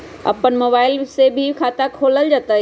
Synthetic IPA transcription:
ɐ̰pənmoːbaːɪlsebʱikʰaːt̪akʰoːləld͡ʑɐt̪a

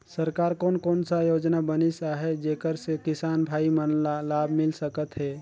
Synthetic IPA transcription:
səɾkaːɾkoːnkoːnsajoːd͡ʒnabənisaɦɛd͡ʒeːkəɾsekɪsaːnbʱaːimənlalaːbʱmɪlsəkət̪ɦɛ

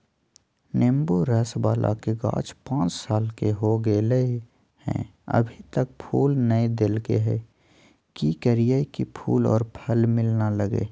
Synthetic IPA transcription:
neːmbuɾɛsbaːlʔa̰keɡã̰ːt͡ʃpãːt͡ʃsaːlkeɦoɡeːləe | hɛ̰̃ə̰bʱit̪ək̚pʰuːlnəed̪ɪlkeɦɛː | kikəɾijaikipʰṵːlɔ̰ːɾpʰəlmɪlnaləɡḛː

